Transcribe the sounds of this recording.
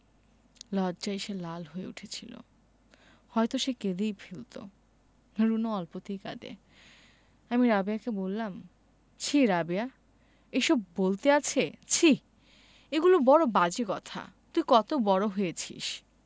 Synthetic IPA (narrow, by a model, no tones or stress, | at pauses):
lɔdd͡ʑaiʃelalɦojḛṵʈʰet͡ɕʰilo̰ | hɔjt̪oʃeked̪ejfʰilt̪o̰ | ɾunoɔlpot̪ijka̰d̪ḛ | amiɾabiakebolːam | t͡ɕʰiɾabia | eʃɔbbolt̪eat͡ɕʰet͡ɕʰi | eɡulobɔɽobad͡ʑekɔt̪ʰa̰ | t̪ujkɔt̪obɔɽoɦoet͡ɕʰḭʃ